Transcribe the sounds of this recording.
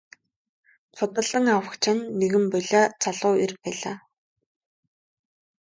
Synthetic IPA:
t͡sʰʊt̪ə̆ɮə̆ŋawə̆kt͡ɕʰɪ̆nːeɣɘ̆mpɔɮʲaːt͡sʰaɮʊːirpæːɮaː

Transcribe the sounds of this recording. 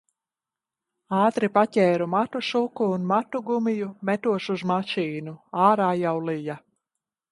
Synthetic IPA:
aːt̪ɾipacʲɛːɾumat̪uʃukuːnmat̪uɡumijumɛt̪uɔʃuzmaʃiːnuaːɾaːjawlija

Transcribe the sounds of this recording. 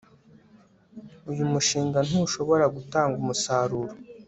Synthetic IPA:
ujumuʃiːŋɡan̥uʃo̞βo̞ɾaɡutaːŋɡumusaːɾuɾo

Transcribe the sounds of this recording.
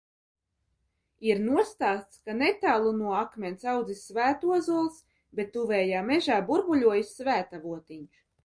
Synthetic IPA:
iɾnuɔst̪aːt̪skanet̪aːlˠunuɔakmʲɛnsawd̪zisːvæːt̪uɔzulˠs | bet̪ːuvɛːjaːmeʒaːbuɾbuʎʲuɔjisvæːt̪avuɔt̪iɲ

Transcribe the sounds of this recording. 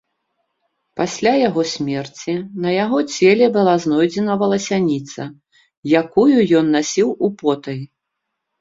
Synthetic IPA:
pasʲlʲajaɣɔsʲmʲɛrt͡sʲinɐjaɣɔt͡sʲɛlʲɛbɨlˠaznɔjd͡zʲɛnɐvɐlˠɐsʲanʲit̪sɐ | jakujujɔnːasʲiwupɔt̪ɐj

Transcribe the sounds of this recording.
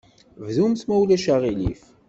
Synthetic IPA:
vðumθmæwlæʃaʁilḭf

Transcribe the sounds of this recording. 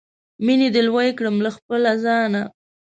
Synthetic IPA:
mined̪əlwajkɽəmlaxpəlazɑna

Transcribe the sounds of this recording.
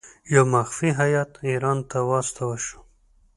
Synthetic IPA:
jawmaxfiɦajɑt̪iɾɑnt̪awɑst̪awaʃu̥

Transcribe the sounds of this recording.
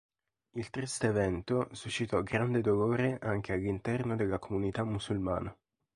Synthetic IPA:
ilt̪ɾist̪eːvɛnt̪osuʃːit̪ɔɡɾand̪ed̪oloːɾeʔaŋk̟ealːint̪ɛrnod̪elːakomunit̪amːusulma̰ːna

